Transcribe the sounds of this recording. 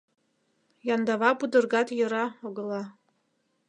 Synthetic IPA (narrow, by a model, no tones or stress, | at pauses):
jɑnd̪ɑβɑpud̪ɤ̆rɣɑt̪jɤ̆ɾɑoɣɤ̆lɑ